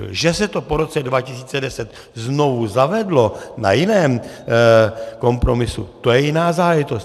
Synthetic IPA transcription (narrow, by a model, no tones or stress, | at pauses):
ʒɛsɛt̪o̞poɾo̞t͡sɛdvacɪsiːt͡sɛdɛsɛt̪ | zno̞vuzavɛdlo̞na̰jɪnɛːm | ko̞mpɾo̞mɪsṵt̪ojɛjɪnaːzaːlɛʒɪt̪ost̪